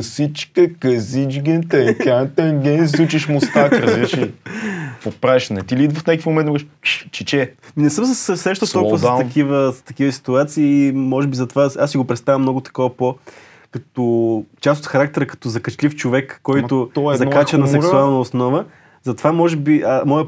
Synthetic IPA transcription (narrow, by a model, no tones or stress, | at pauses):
sit͡ʃkəkɐzid͡ʒɡɛnt̪ɛkʲant̪ɛŋɡɛnzut͡ʃiʃmost̪akɾɐzbiɾʃi | pot̪̚pɾavɛʃnɛt̪ilid̪vəfnʲakə̥fmõmɛnmɔkɾɛʃʃt͡ʃit͡ʃɛnɛsɤmsəssɾɛʃt̪ət̪ɔlˠkuvəsɐkivəsst̪ɐkivəsi̥t̪uat̪siːmɔʒɛbizɐt̪ovasasːiɡopɾɛt̪st̪avɐmnɔɡʊt̪ɐ̥kɔvəpo | kɐt̪ot͡ʃast̪ot̪xɐɾak̚t̪ɛɾəkɐ̥t̪ɔzɐkɐt͡ʃlift͡ʃovɛkːɔj̪ʊt̪ɔzɐnkat͡ʃɐnɐsɛksualˠnɐosnɔvə | zɐt̪ovamɔʒɛbiʔəmɔjə